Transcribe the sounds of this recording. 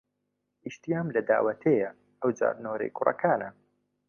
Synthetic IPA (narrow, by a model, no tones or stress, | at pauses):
ʔiʃt̪ijaːmlɐd̪aːwɐt̪ʰejɐ | ʔɐwd͡ʒa̰ːɾnoːɾḛjkʰʊrɐ̰kʰaːnɐ